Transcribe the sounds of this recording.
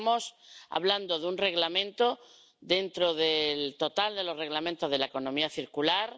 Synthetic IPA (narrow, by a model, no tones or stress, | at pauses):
mo̞sa̰βland̪oðunre̞ɣlamẽ̞nt̪o̞ | ðe̞nt̪ɾo̞ðelt̪o̞t̪ald̪e̞lo̞re̞ɣlamẽnt̪ozðelaeko̞nõ̞miaθiɾkulaɾ